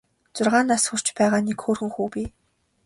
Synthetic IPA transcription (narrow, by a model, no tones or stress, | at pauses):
t͡sʊrʁaːnasxʊr̥t͡ɕpæːʁaːnekxoːrxuːxuːpiː